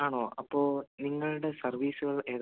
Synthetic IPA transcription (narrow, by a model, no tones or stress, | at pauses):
aːɳoːʔɐpːo̞ːniŋːɐɭuɽe̞sɐrʋiːsuɣɐɭe̞ːð